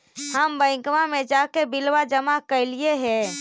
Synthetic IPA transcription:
həmbəɪ̃kmamed͡ʒakebilʋad͡ʒəmakəɪlijeɦɛ̃

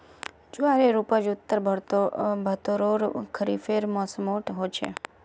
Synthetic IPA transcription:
d͡ʒoaɾeɾupad͡ʒʊt̪ːəɾbʱɾt̪bʱət̪oɾoɾkʰəɾifeɾmɔsmoʈɦot͡ʃʰḛ

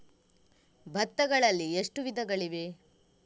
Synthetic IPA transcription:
bʱɐt̪ːɐɡɐɭɐlːieʂʈuʋid̪ʱɐɡɐɭiʋe̞

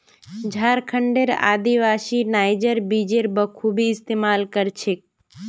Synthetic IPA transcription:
d͡ʒʱaɾkʰəɳɖeɾa̰ːd̪iʋasinajd͡ʒəɾbid͡ʒeɾbəkʰubʱiɪst̪emaːlkəɾt͡ʃʰe

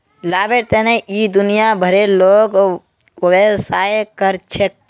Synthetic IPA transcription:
laːbeɾt̪eneʔid̪ʊnijabʱəɾeloːɡ | əʋesaːjkəɾt͡ʃʰek̚

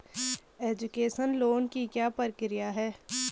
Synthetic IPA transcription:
eːd͡ʒʊkeːʃənloːnkikjaːpəɾəkɾijaɦɛː

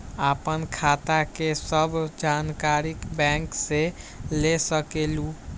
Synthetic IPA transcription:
apənkʰat̪akesəbʱd͡ʒankaɾikbɛ̃ŋkse | lesəkelu

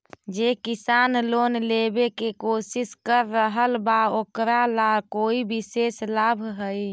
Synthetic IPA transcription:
d͡ʒekisaːnloːnlebekekoːsɪskəɾːəɦəlbaokɾalakoibiseslabʱɦəj

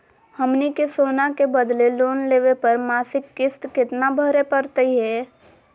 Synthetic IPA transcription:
həmnikesoːnakebəd̪leloːnleːʋepəɾmaːsɪkːɪst̪kɪt̪nabʱəɾepəɾt̪əiɦɛː

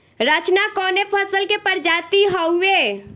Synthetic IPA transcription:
ɾət͡ʃnakɔnepʰəsəlkepəɾd͡ʒat̪iɦəwe

